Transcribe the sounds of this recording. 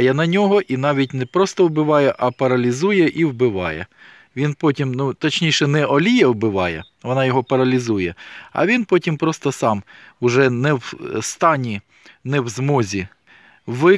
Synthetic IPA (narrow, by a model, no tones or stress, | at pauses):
jɛnɐnʲɔɦɔʔinɑʋʲit̚ʲnɛpɾɔst̪ɔwbɪʋɑjɛʔɐpɐɾɐlʲizujɛʔiwbɪʋɑ̰jɛ̰ | ʋʲinpɔtʲimnut̪ɐt͡ʃʲnʲijʃɛnɛʔɔlʲijɛwbɪʋɑjɛ | ʋɔnɑjɔɦɔpɐɾɐlʲizujɛɐ̰ʋʲinpɔtʲimpɾɔst̪ɔsɑmʊʒɛnɛwst̪ɑnʲi | nɛwzmɔzʲi | ʋɪ